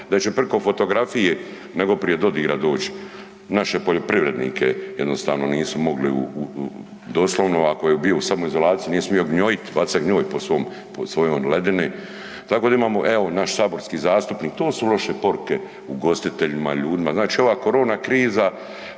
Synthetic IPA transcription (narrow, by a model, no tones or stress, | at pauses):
d̪at͡ʃe̞prɾko̞fo̞t̪o̞ɡɾafije | neɡo̞pɾije̞d̪o̞d̪iɡɾad̪o̞ːt͡ʃi̥ | naʃe̞po̞ʎo̞pɾiʋɾe̞d̪nḭːkʰejed̪no̞st̪a̰ːʋno̞̰niːsumo̞ɡliṵ | d̪o̞ːslˠoʋnoakojebio̞samoizo̞laːt̪sijunijesmio̞ɡɲojit̪ʋat̪saɡɲoːjposʋoːm | posʋo̞jojle̞d̪enoj | t̪akoːd̪aimaːmo̞ʔɛ̞o̞naʃsaːbo̞ɾskiːzaːst̪upniːkt̪oːsulo̞ʃepo̞ɾuke̞ | uɡo̞st̪it̪e̞ʎima̰ʎuːd̪imaznaːt͡ʃiːo̞ʋaːko̞ɾo̞ːnakɾiːza